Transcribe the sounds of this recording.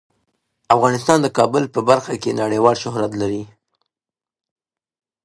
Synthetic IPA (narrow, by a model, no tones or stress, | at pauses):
afɣɑnɪst̪ɑnd̪əkɑbʊlpəbaɾxakenaɽejwɑlʃʊɦɾat̪laɾi